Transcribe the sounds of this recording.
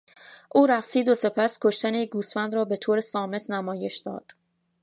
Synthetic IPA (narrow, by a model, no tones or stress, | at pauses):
ʔuːɾæɣsiːd̪ose̞pʰæskʰo̞ʃt̪ænejeɡuːsfænd̪ɾɒːbe̞t̪ʰoːɾesɒːme̞t̪ʰnæmɒːje̞ʃd̪ɒ̰ːd̪̥